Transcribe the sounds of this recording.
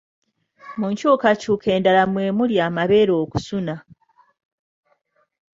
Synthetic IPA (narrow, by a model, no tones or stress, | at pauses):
muɲcukacuːkʰe̞ːndalamwe̞ːmuljaːmaβeːɾoːku̥suna